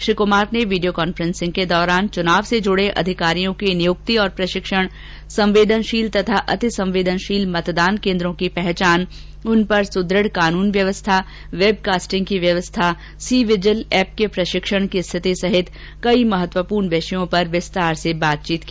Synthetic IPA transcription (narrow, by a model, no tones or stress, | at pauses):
ʃɾikʊmaːɾneʋiːɖijokaːnfəɾə̃nsɪ̃ŋɡ̚ked̪ɔːɾaːnt͡ʃʊnaːʋsed͡ʒʊɽeʔɐ̰d̪ʱɪkaːɾijõkinɪjʊk̚t̪iɔːɾpɾɐʃɪkʃəɽ̃ | sɐ̃mʋeːd̪ʱənʃiːlt̪ɐt̪ʰaʔɐt̪ɪsɐ̃mʋeːd̪ʱənʃiːlmɐt̪d̪aːnkẽːnd̪ɾõkipɛɦt͡ʃaːn | ʊnpɐɾsʊd̪ɾəɽkaːnuːnʋjɐʋəst̪ʰa | ʋeːb̚kaːsʈɪ̃ŋɡkiʋjɐʋəst̪ʰa | siːʋɪd͡ʒəlɛːp̚kepɾɐʃɪkʃəɽ̃kist̪ʰɪt̪isɐɦɪt̪ | kɐimɐɦət̪ʋəpuːɾɳʋeːʃəjõpɐɾʋɪst̪aːɾsebaːt̪̚t͡ʃiːt̪ki